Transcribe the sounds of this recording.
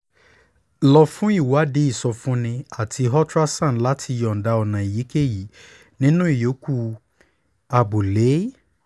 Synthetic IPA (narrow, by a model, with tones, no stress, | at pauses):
lɔ˧fũ˦i˦˨wa˨˦de˦i˦˨sɔ˧fũ˦nĩ˧a˦˨tʰi˧ɦɔ˦tɾa˦sã˦˨la˦tʰi˧jɔ˨n̩˨da˧ɔ˨nã˨i˨ji˨˦ke˦˨ji˨˦ | nĩ˦nũ˦i˦˨jo˨˦ku˦ | a˧bu˨le˨˦